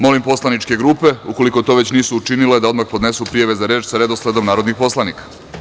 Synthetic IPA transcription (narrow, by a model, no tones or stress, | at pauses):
mo̞limpo̞slanit͡ʃke̞ɡɾuːpe̞uko̞liko̞t̪o̞ʋe̞t͡ɕniːsuːt͡ʃiniled̪ao̞d̪maxpo̞d̪ne̞supɾijaʋe̞zaɾeːt͡ʃsaɾe̞d̪osled̪o̞mnaːɾo̞d̪nixpo̞slˠaniːkḁ